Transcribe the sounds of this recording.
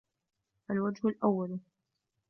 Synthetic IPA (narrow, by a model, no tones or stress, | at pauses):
ʔalwad͡ʒhʊlʔawːal